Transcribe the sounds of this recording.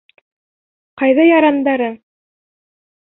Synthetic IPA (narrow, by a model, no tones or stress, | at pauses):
qɑjðɑjɑɾɑnd̪ɑɾɤ